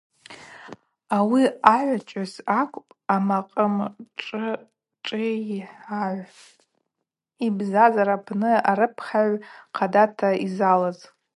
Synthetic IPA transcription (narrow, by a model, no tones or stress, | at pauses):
awiaʕʷat͡ʃʷʼazakʷʼpʼamaqʼəmʈ͡ʂʼɨ | ʈ͡ʂʼɪħaʕʷ | ibzazaɾapʰnɨaɾɨpʰχaʕʷqʰadatʰaizalaz